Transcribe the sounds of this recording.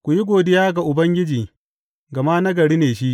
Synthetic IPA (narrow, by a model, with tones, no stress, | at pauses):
kʷʊ˨ji˦ɡʷoː˨dɪ˦jaː˦ɡa˨ʔʊ˨bɐ˦ŋɡʲɪ˦d͡ʒiː˨ | ɡɐ˨maː˦nɐ˦ɡɐ˨ɽiː˦neː˨ʃi˦ʔ